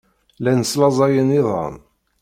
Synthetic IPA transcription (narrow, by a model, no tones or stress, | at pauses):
lænəslɑzˤɑjəniðˤə̰n